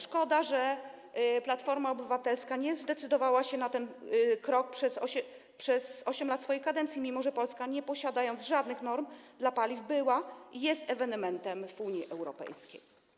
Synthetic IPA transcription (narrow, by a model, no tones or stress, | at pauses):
ʂkɔd̪aʐɛ | plat̪fɔɾmaɔbɘvat̪ɛlskaɲɛzd̪ɛt̪sɘd̪ɔvawaɕɛnat̪ɛnkɾɔk̚pʂɛzɔɛ | pʂɛzɔɕɛmlat̪sfɔjejkad̪ɛnt̪sʲimʲimɔʐɛpɔlskaɲɛpɔɕad̪ajɔnzʐad̪nɘxnɔɾmd̪lapalʲivbɘwaijɛst̪ɛvɛnɛmɛnt̪ɛmvuɲjiʔɛwɾɔ̰pɛ̰jskʲḛj